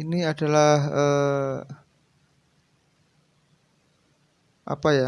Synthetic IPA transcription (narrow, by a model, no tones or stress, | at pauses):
iniadalahə | ʔa̰paja